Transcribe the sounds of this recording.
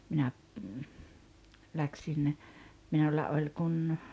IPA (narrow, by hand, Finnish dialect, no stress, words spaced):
minæ læksin minulːɑ olʲ kun